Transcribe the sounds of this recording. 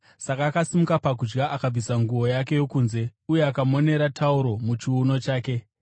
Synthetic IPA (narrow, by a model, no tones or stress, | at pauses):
sakaːkasimukapak̬ud͡ʒɡaʔakab͡visaŋɡuo̞jake̞jo̞kuːnze̞uje̞akamo̞ne̞ɾatʰauɾo̞mut͡ʃiːno̞t͡ʃaːke̞